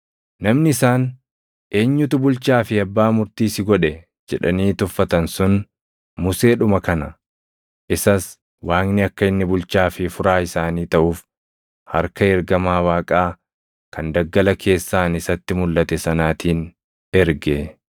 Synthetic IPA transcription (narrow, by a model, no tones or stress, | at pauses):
nɐmnɪɪsaːn | ʔe̞ːɲːʊt̪ʊbʊlt͡ʃaːfɪɐbːaːmʊɾt̪iːsɪɡɔᶑɛ | d͡ʒɛᶑɐniːt̪ʊfːɐt̪ɐnsʊn | mʊse̞ːɗʊmɐkɐnɐ | ʔɪsɐs | waːŋnɪɐkːɐɪnːɪbʊlt͡ʃaːfɪfʊɾaːɪsaːniːt̪ɐʔuːf | hɐ̰ɾkɐɛɾɡɐmaːwaːkʼaː | kʰɐnd̪ɐɡːɐlɐkʰe̞ːsːaːnɪsɐt̪ːɪmʊlʔɐt̪ɛsɐnaːt̪iːn | ɛɾɡe